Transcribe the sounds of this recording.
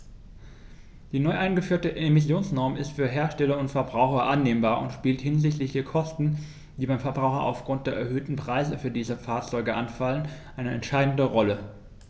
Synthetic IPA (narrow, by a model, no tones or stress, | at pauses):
d̥iːnɔʏʔaɪnɡəfyːɐtəʔemɪsjoːnsnɔɐmɪstfyːɐɦeːɐʃtɛlɐʊntfɛɐbʁaʊxɐʔanːeːmbaːɐʔʊ̰ntʃpiːlthɪnzɪçtlɪçd̥eːɐkʰɔstn̩ | d̥iːbaɪmfɛɐbʁaʊxɐ̰ʔa̰ʊfɡ̥ʁʊnt̚d̥eːɐʔɛɐɦøːtn̩pʁ̥aɪzəfyːɐdiːzəfaːɐt͡sɔʏɡəʔanfalənʔaɪnəʔɛ̰ntʃaɪdn̩dəʁɔlə